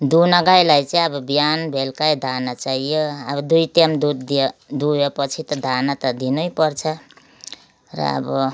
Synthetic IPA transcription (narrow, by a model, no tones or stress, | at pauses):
d̪unʌɡajlajt͡sʌĩʌbʌbijanbʱelkajd̪ʱanat͡saɦijoabʌd̪ujt̪amd̪ud̪d̪ujepʌt͡sʰit̪ʌd̪ʱanat̪ʌd̪inujpʌrt͡sʰʌ | rʌ̰ːbʌ